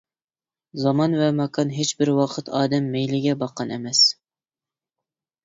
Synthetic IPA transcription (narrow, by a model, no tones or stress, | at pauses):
zɑmɑnvɛmɛkʰɑnɦet͡ʃbɪɾwɑqʰət̪ʰɑːd̪ɛmːejlɪɡʲɛbɑqʰːɑnɛ̰mɛs